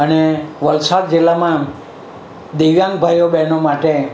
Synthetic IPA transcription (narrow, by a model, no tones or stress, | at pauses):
əneʋəlsaɾd͡ʒɪlːamã | d̪iʋjãŋɡbʱajobɛnomaʈe